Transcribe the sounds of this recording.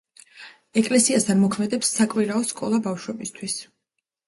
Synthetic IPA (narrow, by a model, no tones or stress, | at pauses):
ɛkʼlɛsiast̪ʰanmɔkʰmɛd̪ɛpsːakʼwiɾaɔskʼɔlˠabafʃwɛbist̪ʰwis